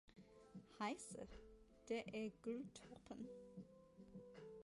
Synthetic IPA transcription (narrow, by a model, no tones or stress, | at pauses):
hɑɪsə̰ɾ | d̪̥eːʔæːɡ̥ʉlt̪ʰɔpʰən